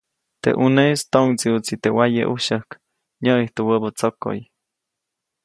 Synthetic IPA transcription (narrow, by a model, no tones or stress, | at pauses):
t̪ḛʔunest̪oŋt͡siut͡sit̪ewajḛʔuʃəhk | ɲəʔiht̪uwəbət͡soko̰j